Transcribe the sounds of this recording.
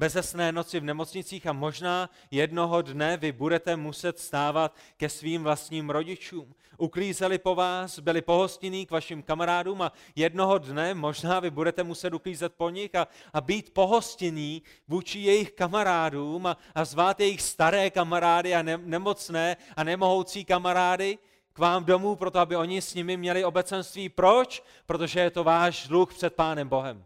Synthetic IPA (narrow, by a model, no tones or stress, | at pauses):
bɛzɛsnɛːno̞t͡sɪvnɛmo̞t͡sɲɪt͡siːxamo̞ʒnaː | jɛdno̞ɦo̞dnɛvɪbudɛt̪ɛmusɛt̪st̪aːvat̪kɛsviːmvlast̪ɲiːmɾo̞ɟɪt͡ʃuːm | ʔukɾiːzɛlɪpo̞vaːsbɪlɪpo̞ɦo̞scɪniːkvaʃɪmkamaɾaːduːmajɛdno̞ɦo̞dnɛmo̞ʒnaːvɪbudɛt̪ɛmusɛt̪ukɾiːzɛt̪̚po̞ɲɪxaabiːt̪po̞ɦo̞scɪniː | vuːt͡ʃɪjɛjɪxkamaɾaːduːma | azvaːt̪jɛjɪxst̪aɾɛːkamaɾaːdɪannɛmo̞t͡snɛːanɛmo̞ɦo̞wt͡siːkamaɾaːdɪ | kvaːmdo̞muːpɾot̪oabɪo̞ɲɪsɲɪmɪmɲɛlɪo̞bɛt͡sɛnst̪viːpɾo̞t͡ʃ | pɾo̞t̪o̞ʒɛjɛt̪o̞vaːʃdluxpr̥ɛt̪̚paːnɛmbo̞ɦɛm